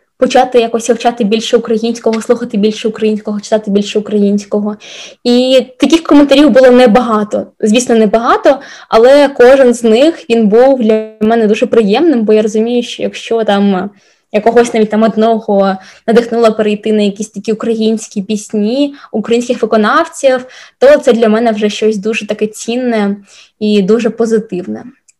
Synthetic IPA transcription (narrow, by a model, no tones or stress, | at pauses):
pɔt͡ʃɑt̪ɪjakɔsʲɐwt͡ʃɑt̪ɪbʲilʲʃɛʊkɾɐjinʲsʲkɔɦɔslˠuxɐt̪ɪbʲilʲʃɛukɾɐjinʲsʲkɔɦɔt͡ʃɪ̥t̪ɑt̪ɪbʲilʲʃɛʊkɾɐjinʲsʲkɔɦɔit̪ɐkʲixkɔment̪ɐɾʲiwbʊlˠɔnɛbɐɦɑt̪ɔzʲʋʲisʲnɔnɛbɐɦɑt̪ɔɐlˠɛkɔʒɪnznɪxʋʲinbuwd̪lʲɐmɛnɛd̪uʒɛpɾɪjɛmnɪmbɔjaɾɔzʊmʲijʊʃt͡ʃɔ̰jɐkʃt͡ʃɔt̪ɑm | jɐkɔɦɔsʲnɑʋʲit̚ʲt̪amɔd̪nɔɦɔnɐd̪ɪxnulˠɐpeɾejt̪ɪnɐjɐkʲisʲt̪ɐkʲiʊkɾɐjinʲsʲkʲipʲisʲnʲiʊkɾɐjinʲsʲkʲɪxʋɪkɔnɑwt͡sʲiwt̪ɔt̪sɛd̪lʲɐmɛnɛwʐɛʃt͡ʃɔsʲd̪uʒɛt̪ɐkɛt͡sʲinːɛ | id̪uʒɛpɔzɪt̪ɪwnɛ